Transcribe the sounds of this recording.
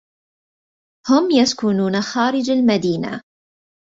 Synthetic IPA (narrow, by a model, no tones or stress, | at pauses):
hʊmjaskʊnuːnaxaːɾɪd͡ʒalmad̪iːna̰